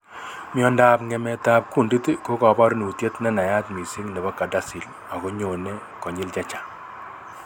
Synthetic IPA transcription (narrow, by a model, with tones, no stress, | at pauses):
mjɔ˨nda˨pŋɛ˨mɛ˨ta˨p̚ku˦˨ndi˦tko˦kɔ˨bɔ˦ɾnu˨tje˦tnɛ˦na˨ja˦tmi˨si˦ŋnɛ˨bɔ˦ka˨da˦si˨l | a˨ko˦ɲo˨ne˦ | kɔ˨ɲɪ˦lt͡ʃa˦t͡ʃḁ˨